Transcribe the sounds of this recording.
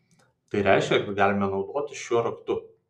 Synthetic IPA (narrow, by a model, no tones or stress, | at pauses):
t̪ɐɪɾʲæˑɪʃʲkʲɛkɐt̪ɡɑːlʲɪmʲɛnɒʊd̪oːt̪ʲɪʃʲuɔɾɐkt̪ʊ